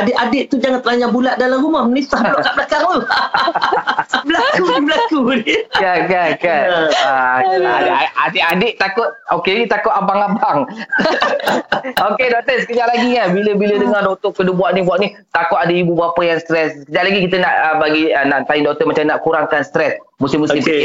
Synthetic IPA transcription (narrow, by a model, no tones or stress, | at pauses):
adɪʔadɪʔt̪ud͡ʒaŋãnt̪əlaɲabulaʔ̚dalamɾumahmənist̪ahbloʔkaʔbəlakaŋu | bəlakudibəlakudikakakanalaadʔaadɪʔadɪʔt̪akʊt̪̚okeit̪akʊt̪abaŋabaŋ | okedɔʔ̚t̪əsəkəd͡ʒaʔlaɡikanbiləbilədəŋardɔt̪ʊʔkədubuaʔnibuaʔni | t̪akʊt̪adəibubapəjaŋst̪ɾɛssəkəd͡ʒaʔlaɡikit̪ənaʔəbaɡiənaʔt̪aindɔt̪əʔmat͡ʃamnaʔkuɾaŋkanst̪ɾɛsmusɪmːusɪmp